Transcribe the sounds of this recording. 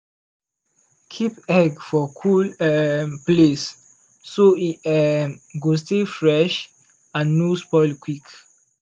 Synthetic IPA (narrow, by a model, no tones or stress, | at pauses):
kʰipɛɡfɔkʰulɛples | soiɛɡostefɹɛʃ | ãnːuspɔɪlkʰwik